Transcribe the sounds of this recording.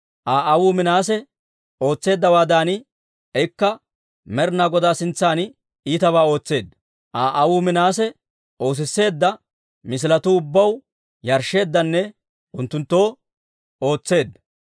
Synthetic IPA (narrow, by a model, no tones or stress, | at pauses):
ʔaːʔɐwuːmɪnaːs̬ɛ | o̞ːt͡sːe̞ːd̪ːɐwaːd̪aːnɪ | ɛkːɐ | mɛɾnaɡɔd̪aːsɪnt͡sːaːn | iːt̪ɐβaːo̞ːt͡sːe̞ːd̪ː | ʔaːʔɐwuːmɪnaːs̬ɛ | o̞ːs̬ɪsːe̞ːd̪ːɐ | mɪs̬ɪlɐt̪ʊʊbːɐw | jɐɾʃːe̞ːd̪ːɐnːɛ | ʊnt̪ːʊnt̪ːo̞ː | o̞ːt͡sːe̞ːd̪ːɐ